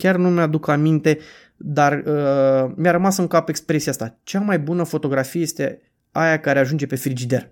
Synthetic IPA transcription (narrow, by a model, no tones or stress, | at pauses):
kʲarnumead̪ukamint̪e̞ | d̪arəmjaɾəmasɨŋkapekspɾe̞sijast̪at͡ʃamajbunəfo̞t̪o̞ɡɾafijejest̪e̞ | ajakaɾe̞aʒund͡ʒe̞pe̞fɾid͡ʒid̪e̞r